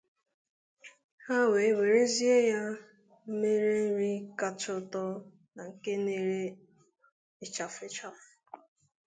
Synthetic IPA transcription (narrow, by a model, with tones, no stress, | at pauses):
ha˦we˨e˦we˨ɾe˦zi˦e˦ja˦ | m̩˦me˦ɾe˦ɾi˦ka˦t͡ʃʊ˦tɔ˦ | na˨ŋ̩˨ke˦ne˦ɾe˦ | ɪ˦t͡ʃa˨fɪ˦t͡ʃa˦fʊ˨